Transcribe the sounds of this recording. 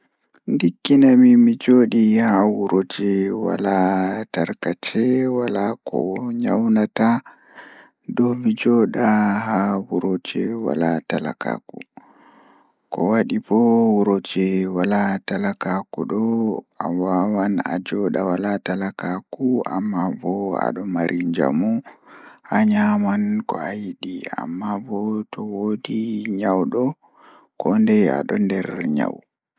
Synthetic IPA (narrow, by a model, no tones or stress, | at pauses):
ndikːinamimid͡ʒoɗihawuɾod͡ʒɛwa̰lataɾkat͡ʃɛwalakʰɔ̰ɲa̰wnata | dɔmid͡ʒɔːɗahawuɾod͡ʒɛwa̰latala̰ka̰ːkṵ | kɔwaɗibɔwuɾod͡ʒɛwalatalakakuɗɔʔawawana̰d͡ʒɔɗawalatalakakua̰mːabɔa̰ɗɔmaɾʔiɲd͡ʒa̰mu | ʔaɲamankɔajiɗia̰mːabɔtʰɔwodiɲawɗɔ | kɔndɛa̰ɗɔndɛɾɲa̰w